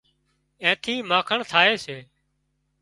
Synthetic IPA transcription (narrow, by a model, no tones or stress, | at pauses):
ẽːt̪ʰiːmãːkʰəɳt̪ʰaːeːseː